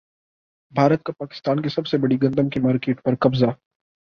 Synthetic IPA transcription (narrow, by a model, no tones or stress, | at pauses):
bʱaːɾət̪̚kapaːkɪ̥st̪aːnkesɐbsebɐɽiɡɐ̃nd̪əmkemaːɾkeːʈpɐɾkɐbza